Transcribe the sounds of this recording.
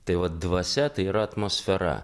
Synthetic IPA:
t̪ɐɪʋɐt̪̚d̪ʋɐsʲɛt̪ɐɪiːɾɐɐt̪moːsʲfʲɛɾɐ̰

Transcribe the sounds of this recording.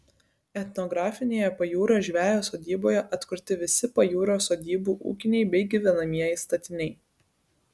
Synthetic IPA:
ɛt̪ʲnɔɡɾɑːfʲɪnʲeːjɛpɐjuːɾɐʒʲʋʲæːjoːsoːd̪ʲiːboːjɛʔɐt̪kʊɾʲt̪ʲɪʋʲɪsʲɪpɐjuːɾoːsoːd̪ʲiːbuːʔṵːkʲɪnʲɛɪbʲɛɪɡʲiʋʲɛnɐmʲiɛjɛɪst̪ɐt̪ʲɪnʲɛɪ

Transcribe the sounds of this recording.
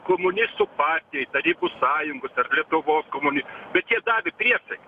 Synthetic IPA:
komʊnʲɪsʊpɑːrʲt̪ʲijɛjt̪ɐɾʲiːbʊsɑːjʊŋɡʊsɐrlʲiɛt̪ʊʋoːskomʊnʲɪsbʲɛt̪jʲiɛd̪ɑːʋʲɪpʲrʲiɛsɛkʲ

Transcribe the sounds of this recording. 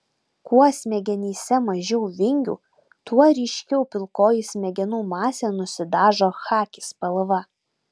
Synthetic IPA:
kuɔsʲmʲɛɡʲɛnʲiːsʲɛmɐʒʲɛʊʋʲɪŋʲɡʲṵː | t̪uɔɾʲiɪʃʲkʲɛʊpʲɪlˠkoːjisʲmʲɛɡʲɛnuːmɑːsʲeːnʊsʲɪd̪ɑːʒoːxɑːkʲɪspɐlˠʋɐ

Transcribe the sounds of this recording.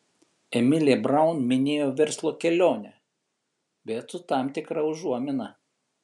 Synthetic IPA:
ɛmʲɪlʲebɾɐʊnmʲɪnʲeːjoːʋʲɛɾslˠoːkʲɛlʲoːnʲɛ | ʋʲɛt̪ʊt̪ɑˑmt̪ʲɪkɾɐʊʒuɔmʲɪnɐ

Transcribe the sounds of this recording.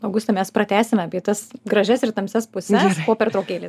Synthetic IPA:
ɐʊɡʊsʲt̪ɐmʲɛspɾɐt̪ʲæːsʲɪmʲɛɐpʲiɛt̪ɐsɡɾɐʒʲɛsɪrt̪ɐmʲsʲɛspʊsʲɛspoːpʲɛɾt̪ɾoʊkʲeːlʲeː

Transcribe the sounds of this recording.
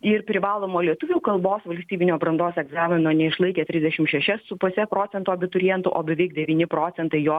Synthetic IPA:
ɪrpʲɾʲɪʋɑːlˠoːmoːlʲiɛt̪ʊʋʲuːkɐlˠboːsʋɐlʲsʲt̪ʲiːbʲɪnʲoːbɾɐnd̪oːsɛɡzɑːmʲɪnoːnʲɛɪʃlˠɐɪkʲeːt̪ʲɾʲɪzʲd̪ʲɛʃʲɪmʃʲɛʃʲɛssʊpʊsʲɛpɾoːt͡ssʲɛnt̪oːɐbʲɪt̪ʊɾʲjɛnt̪ʊʔoːbʲɛʋʲɛɪkd̪ʲɛʋʲiːnʲɪpɾoːt͡s̪ʲɛnt̪ɐɪjoː

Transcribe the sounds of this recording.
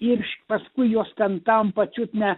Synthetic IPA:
ɪrʲʃʲpɐskʊɪjoːst̪ʲɛnt̪ɐmpɐt͡ʃʲut̪nʲɛ

